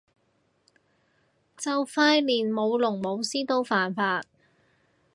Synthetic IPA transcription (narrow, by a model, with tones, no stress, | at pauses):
t͡sɐ˨wfaː˧jliː˨˩nmo˨˧wlʊ˨˩ŋmo˨˧wsiː˥t̪o˧˥wfaː˨˩nfaː˧t̚